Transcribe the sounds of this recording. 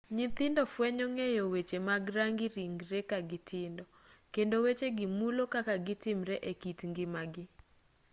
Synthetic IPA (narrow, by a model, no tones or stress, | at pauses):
ɲɪt̪ɪndɔfwɛɲɔŋejowet͡ʃemaɡɾaŋɡɪɾiŋɡɾekaɡɪtʰɪndɔ | kendowet͡ʃeɡɪmulokakaɡɪtɪmɾɛʔekitŋɡɪmaɡɪ